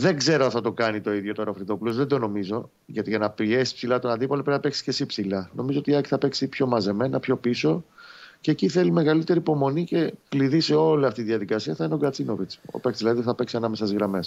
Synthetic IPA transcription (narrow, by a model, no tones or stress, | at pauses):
ðe̞ŋɡze̞ɾoɐnθɐt̪o̞kɐnit̪o̞iðʝo̞t̪onofɾiðo̞pulo̞zðed̪o̞no̞mizo̞ | ʝɐt̪iʝɐnɐpie̞si̥spsilɐt̪onɐnd̪ipoɐlpɾeinɐpeksi̥ce̞sipsilɐno̞mizoot̪iɐci̥θɐpe̞ksipço̞mɐze̞me̞nɐpço̞piso̞ce̞ːciθe̞lime̞ɣɐlit̪e̞ɾiːpo̞mo̞nice̞kliðise̞o̞liɐft̪it̪iðiɐðikɐsiɐθɐineoɡɐt͡sino̞vit͡so̰pekt͡s̪zlɐðiosθɐpe̞ksiɐnɐme̞sɐzɣɾɐme̞s